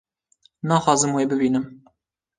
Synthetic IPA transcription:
nɑːxɑːzɨmweːbɨbiːnɨm

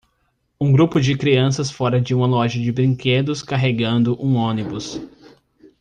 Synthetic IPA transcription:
ũɡɾupʊd͡ʒɪkɾiɐ̃sɐsfɔɾɐd͡ʒɪũmɐlɔʒɐd͡ʒɪbɾĩŋked̪ʊskaɦeɡɐ̃nd̪ʊʔũõnibʊs

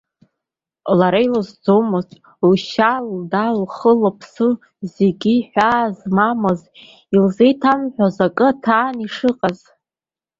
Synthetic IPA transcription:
laɾajlɨzd͡zomɨztʰʼ | uʃaldalχəlapʰsɨ | zeɡʲiħᶣʷaːzmamɨz | ilzejtʰamħᶣʷazakʼɨtʰaːniʂɨqʼaz

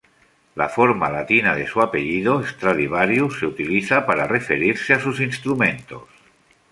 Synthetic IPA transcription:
la̰foɾmalat̪inaðesuapeʎiðoest̪ɾaðiβaɾjuseut̪iliθapaɾarefeɾiɾseasusinst̪ɾumẽnt̪o̰s

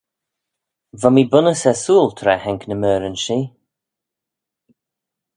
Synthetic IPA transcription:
vamiːbʊnəsɛsuːlt̪ʰɾɛhɛŋknəmøːɾənʃiː

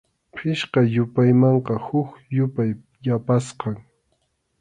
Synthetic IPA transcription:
pʰɪʃqɑjʊpajmɑɴqɑhʊkjʊpaj | japasqɑŋ

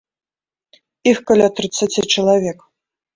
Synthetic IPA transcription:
ixkalʲat̪rɨt̪sat͡sʲit͡ɕilˠavʲek

